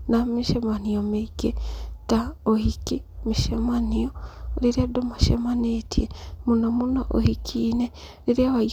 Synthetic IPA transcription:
namiʃemaniomeɡetaohikimiʃemanioɾiɾiadomaʃḛmanetʰiemunomunoʔo̰hikʰiːne | ɾiɾiaβa

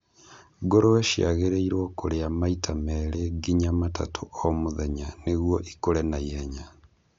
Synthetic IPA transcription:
ɡoɾowɛʃja̰ɣeɾeiɾwɔkoɾeamaitʰamɛɾeɡiɲamata̰tʰoomoðɛɲaneɣwɔʔikoɾɛnajɛɲa

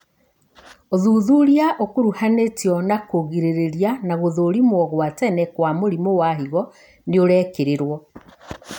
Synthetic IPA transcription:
oðuːðuɾiaʔokoɾuhanetjɔnakoɣiɾeɾeɾjanaɣoðoːɾimwɔɣwatɛnɛkwamoɾimowaɦiɣɔ | neoɾɛːkeɾeɾwɔ

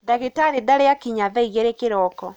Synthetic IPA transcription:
daɣitaɾiðaɾeakiɲaðɛiɣeɾekeɾɔkɔ

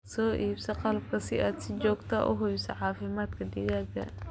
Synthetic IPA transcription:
sɔːʔiːbsɐqɑlɐb̚kʰɐsɪʔaːd̪sɪd͡ʒɔːɡt̪ʰɐʔʊ̰ɦʊβɪsɐħɑːfɪmaːd̪kʰɐd̪ɪɣaːɡɐ̰

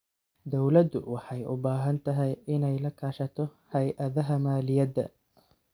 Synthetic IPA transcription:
d̪ɔwlɐd̪ʊ̰wɑħɑjʊbaːɦɐnt̪ʰɐɦɛjɪnɛjlɐkʰaːʃɐt̪ʰɔhɛjʔɐðɐɦɐmaːlɪjɐd̪ɐ̰

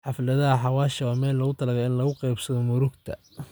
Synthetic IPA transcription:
ħɑflɐðɐɦɐħɑwaːʃɐwaːmɛːlːɐɣʊt̪ʰɐlɐɣɐjɪnlɐɣʊqɑjbsɐðɔmʊɾʊɡt̪ʰɐ̰

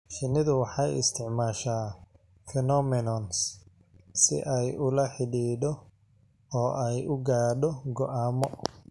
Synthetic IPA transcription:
ʃɪnɪðʊwɑħɑjɪ̰st̪ʰɪʕmaːʃaː | fɛnɔmɪnɔns | sɪ̰ʔɛjʊlɐħɪɖiːdɔ | ɔːʔɛjʊɡaːɖɔɡɔʔaːmɔ

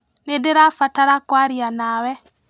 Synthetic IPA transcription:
nedeɾafataɾakwaɾjanawɛ

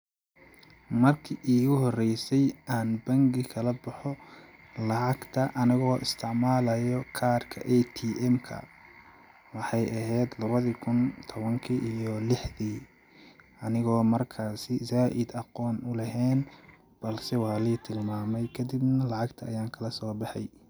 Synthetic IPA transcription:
mɐrkʰiʔiːɣʊɦɔrɛjsɛjʔaːnbɐŋɡɪkʰɐlɐbɑħɔ | lɑʕɑɡt̪ʰɐʔɐnɪɣɔːʔɪst̪ʰɪʕmaːlɐjɔkʰaːrkʰɐʔɛt̪ʰiːʔɛmkʰɐ̰ | wɑħɑjʔɐɦɛjd̪lɐβɐðikʰʊnt̪ʰɔβɐŋkʰiʔijɔlɪħðiː | ʔɐnɪɣɔːmɐrkʰaːsɪzaːʔɪd̪ɑqɔːnʊlɐɦɛːn | b̥ɐlsɛwɑːliːt̪ʰɪlmaːmɛjkʰɐd̪ɪbnɐlɑʕɑɡt̪ʰɐːjaːŋkʰɐlɐsɔːbɑħɑj

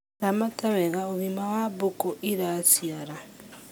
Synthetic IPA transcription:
amataβɛɣaoβimawaβokoʔiɾasjaɾa

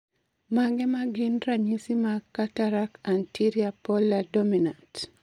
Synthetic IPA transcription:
maɡɛmaɡɪnɾaɲisimakataɾakantiɾiapɔlːadominant

